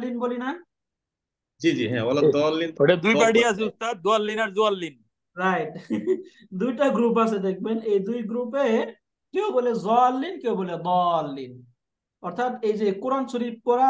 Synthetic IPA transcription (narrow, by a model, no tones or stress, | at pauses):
linbolina | d͡ʒid͡ʒḭɦɛ̰̃bɔlːad̪ɔlːinoɽed̪ujbaɽias̬eust̪ad̪̚ːoalːinaɾzoalːin | ɾajʈ | d̪ujʈaɡɾup̬as̬ed̪ek̚benejd̪ujɡɾupe | keobolezɔlːinkewboled̪ɔlːin | ɔɾt̪ʰat̪ejd͡ʒekuɾansuɾip̚pɔɾa